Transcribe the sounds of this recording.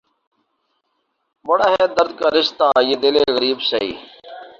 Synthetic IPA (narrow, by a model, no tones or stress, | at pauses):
bəɽaːɦeːd̪əɾd̪̚kaːɾɪst̪ãːjeːd̪ɪleːɣəɾiːbsəḭː